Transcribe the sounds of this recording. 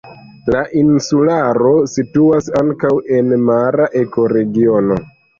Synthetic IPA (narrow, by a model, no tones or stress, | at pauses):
laʔinsulaɾo̞situasaŋkawe̞nmaɾaʔe̞ko̞ɾe̞ɡio̞no̞̰